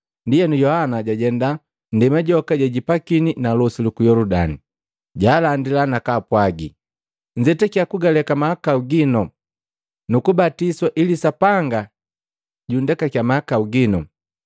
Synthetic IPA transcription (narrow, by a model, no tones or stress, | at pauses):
ndijɛnujɔhanaɟaɟɛnda | ndɛmaɟɔkaɟaɟipakininalɔsulukujɔludani | ɟaːlandilanakaːpwaɡḭ | ɲd͡ʒɛtɛkiakuɡalɛkamahakauɡinɔ | nukubatiswaʔilisapaŋɡa | ɟundɛkakjamahakauɡinɔ